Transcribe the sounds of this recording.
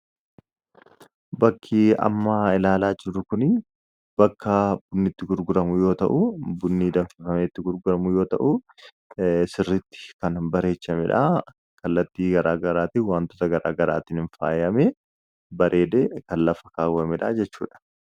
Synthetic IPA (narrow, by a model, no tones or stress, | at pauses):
bɐkʰːiːɐ̰mːaɪlaːlaːd͡ʒɪɾʊkʊnɪ | b̥ɐkːɐbʊnːɪt̪ːɪɡʊɾɡʊɾɐmʊjo̞ːt̪ɐ̰ʔʊbʊnːiːd̪ɐnfɪfɐmet̪ːɪɡʊɾɡʊɾɐmʊjo̞ːt̪ɐ̰ʔʊ | sɪrːɪt̪ːɪ̥kɐnbɐɾe̞ːt͡ʃːɐmɛᶑa̰ː | kɐlːɐt̪ːiːɡɐɾaːɡɐɾaːt̪ɪwaːnt̪oːt̪ɐɡɐɾa̰ːɡɐɾa̰ːt̪ɪnɪnfa̰ːjɐmɛ | bɐɾʔe̞ːd̪eːkɐllɐfɐ̥kaːwːɐmɛᶑa̰ːd͡ʒɛt͡ʃːṵːᶑɐ̥